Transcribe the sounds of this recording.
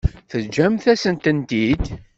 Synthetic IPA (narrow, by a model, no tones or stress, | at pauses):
θəd͡ʒːæmθæsənt̪ənt̪id̪